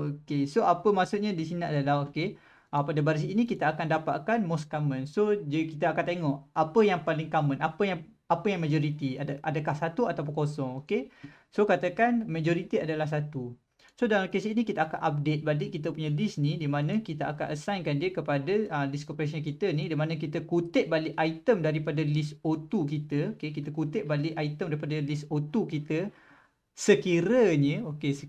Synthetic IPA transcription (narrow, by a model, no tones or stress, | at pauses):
okesoʔapəmaksuɲadisiniadalahoke | əpadəbaɾisinikit̪əakandapa̰ʔkanmɔskamə̃nsod͡ʒkit̪aakant̪eŋɔʔapəjaŋpalɪŋkamə̃napəjaŋ | apəjaŋmad͡ʒɔɾit̪iadʔa̰dəkahsat̪uat̪ap̬ə̃ŋkosɔŋoke | sokat̪əkanmad͡ʒɔɾit̪iadalahs̬at̪u | sodalamkesinikit̪aaka̰ʔap̚det̪̚balɪʔ̚kit̪əpuɲalisnidimanə̃kit̪aa̰ka̰ʔəsajnkandiəkəpadaəliskopəɾas̬iənkit̪ənidimanə̃k̬it̪əkut̪ɪʔ̚balɪʔait̪əmdaɾipadalisot̪ukit̪əokekit̪əkut̪ɪʔ̚balɪʔait̪əmdaɾipadalisot̪ukit̪ə | səkiɾəɲəokesə